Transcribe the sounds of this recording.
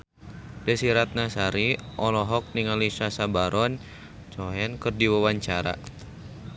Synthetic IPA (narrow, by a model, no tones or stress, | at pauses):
dɛsiɾat̪̚nasaɾiʔɔlɔɦɔk̚niŋaliʃasabaɾʔɔn | t͡ʃɔɦɛnkɨrdiwawaɲt͡ʃaɾa̰